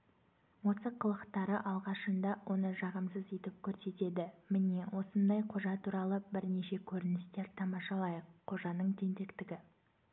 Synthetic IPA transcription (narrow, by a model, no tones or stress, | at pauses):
wo̞tsəqʰːəlˠəqt̪ɑɾəʔɑlˠʁɑʃənd̪ɑwʔo̞nəʒɑʁəmsəze̞t̪ɪp̚kʲʰɵɾse̞t̪e̞d̪ɪmɪne̞wo̞sənd̪ɑjqʰo̞ʒɑt̪ʰuɾɑlˠəbɪɾne̞ʃe̞kʲʰɵɾɪnɪst̪e̞ɾt̪ʰɑmɑʃɑlˠɑjəqʰːo̞ʒɑnəɴd̪ʰe̞nt̪ekt̪ɪɡʲɪ